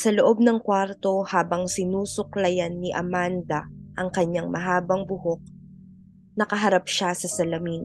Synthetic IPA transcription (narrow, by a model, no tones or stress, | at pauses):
sɐloʔo̞b̚nɐŋkwaɾt̪o̞haːbɐŋsɪnuːsʊklɐjanːiʔɐ̰mand̪ɐʔɐŋkɐɲːaŋmɐɦaːbɐŋbʊhok̚ | nɐkɐɦɐɾap̚ʃasɐsɐlɐmiːn